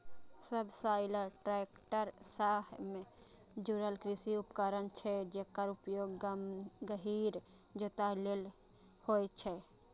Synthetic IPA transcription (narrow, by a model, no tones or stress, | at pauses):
səbʱsaɪləɾʈɾeekʈəɾsaɦme | d͡ʒuɾəlkɾisiupkəɾənt͡ʃʰɛd͡ʒekəɾupjoɡ | ɡəɦiɾd͡ʒet̪alel | hojt͡ʃʰɛ